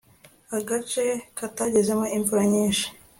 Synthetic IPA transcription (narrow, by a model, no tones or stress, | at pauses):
haɡat͡ʃe̞kataɟeze̞moiɱvuɾaɲiːnʃi̥